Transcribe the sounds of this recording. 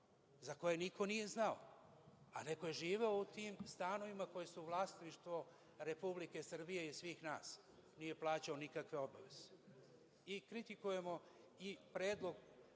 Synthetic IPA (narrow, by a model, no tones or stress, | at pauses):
zako̞jenikʰo̞nije̞znao̰ | a̰ne̞ko̞je̞ʒiːʋe̞o̞ut̪iːmst̪ano̞ʋimakoje̞suʋlˠaːst̪niʃt̪ʋo̞ | ɾe̞publike̞sr̩bijeisʋiːxnaːs | nije̞plˠaːt͡ɕaonikakʋe̞obaʋe̞z̥e̥ | ikɾit̪ikuje̞mo̞ | ipɾe̞ːd̪lˠo̞ɡ